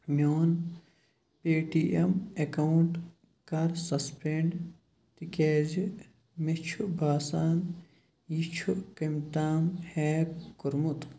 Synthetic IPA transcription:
mʲjoːn | peːʈiʔemekɐuɳʈ | kɐɾsɐspʰeɳɖ | t̪ikeːzi | met͡ʃʰubaːsaːn | jit͡ʃʰukɐmt̪aːmheːkuɾmut̪

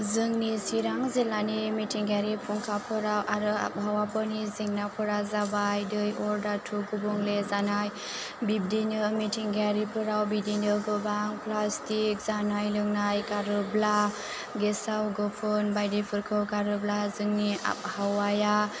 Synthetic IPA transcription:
zɯŋnisiɾaŋzelanimitʰiŋɡaɾipʰuŋkʰapʰɯɾawʔaɾɯa̰p̚hawapɔniziŋnapʰɯɾazabajdɯjɔɾdatʰuɡubɔŋlezanaj | bib̚dinɯmitʰiŋɡaɾipʰɯɾawbidinɯɡɯbaŋplastik̚z̥anajlɯŋnajkaɾɯbla | ɡesawɡɔpʰɯnbajdepʰɯɾkʰɯwkaɾɯblazɯŋnia̰p̚hawaja

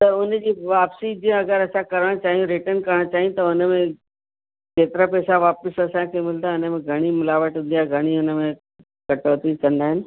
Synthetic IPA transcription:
t̪ɐʊnd͡ʑiːʋaːpsid͡ʑiə̃ɐɡəɾɐsãkɐɾəɽ̃t͡ɕaːɦijũɾɪʈənkɐɾəɽ̃t͡ɕaːɦijũt̪ɐʊnəmẽ | t͡ʃeːt̪ɪɾapɛːsaʋaːpəsɐsãk̪ʰemɪld̪aʊnəmẽɡʱɐɽ̃imʊlaːʋəʈɦʊ̃nd̪ijaɡʱɐɽ̃iʊnəmẽ | kɐʈoːt̪iːzkɐ̃nd̪aːɦɪnɪ̆

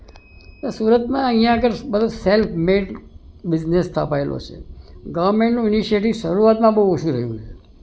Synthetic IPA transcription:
nosuːɾət̪mãəɦĩjãəɡəɾbəd̪ʱoselpʰmeʈbɪd͡ʒnest̪ʰa̰paelʔo̰t͡ʃʰḛɡəʋəɾmeɳʈnũɪniʃieʈiʋʃəɾuat̪mãbəɦuoʃũɾəɦijṵ̃t͡ʃʰe

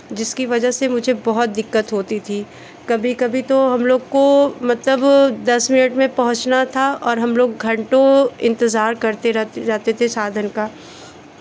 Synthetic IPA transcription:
d͡ʒɪskiʋɐd͡ʒəɦsemʊd͡ʒʱebɐɦʊt̪̚d̪ɪkːət̪ɦoːt̪it̪ʰiː | kɐbʱikɐbʱit̪oɦɐmloːɡkomɐt̪ləbd̪ɐsmɪnəʈmẽpɐɦʊ̃t͡ʃnat̪ʰaɔːɾɦɐmloːɡɡʱɐ̃ɳʈõɪ̃nt̪əzaːɾkɐɾt̪eɾɛɾɛɦt̪et̪ʰesaːd̪ʱənkaː

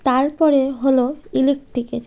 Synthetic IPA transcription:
t̪aɾpɔɾeɦoloilik̚ʈikeʈ

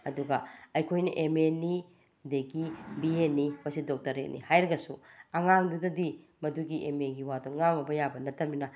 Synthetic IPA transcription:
ɐduɡɐɐjkʰojnɐʔemeni | deɡibienːimɐsidok̚tɐɾet̚nʔḭhajɾɐɡɐsuɐŋaŋdudɐdi | mɐduɡiʔemeɡiwadoŋaŋɐbɐjabɐnɐtːɐmbinɐ

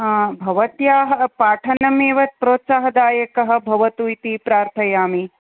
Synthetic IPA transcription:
bʱɐʋɐt̪jaːɦɐpaːʈʰɐnɐmeːʋɐt̪̚pɾoːt̪saːɦɐd̪aːjɐkɐɦɐ̆bʱɐʋɐt̪ujt̪ipɾaːɾt̪ʰɐjaːmi

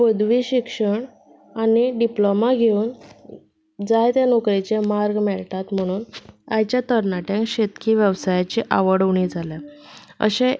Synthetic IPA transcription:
bəd̪ʋiɕikʂəɳ | aniɖiplomaɡʱeuːn | d͡zajt̪janokɾit͡ɕemaɾɡmɛɭʈat̪m̤əɽ̃uːnajt͡ɕjat̪əɾnaʈjãŋkɕet̪kʰiːʋjəʋsajat͡ɕiʔaʋəɽəʋɳid͡zʱalaə̰ɕe

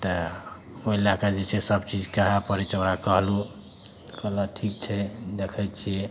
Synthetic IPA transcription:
t̪ə | oelakad͡ʒet͡ʃʰesəbt͡ʃid͡ʒkəɦapəɾɛt͡ʃʰoɾakəɦlu | kələʈʰik̚t͡ʃʰɛd̪ekʰɛt͡ʃʰije

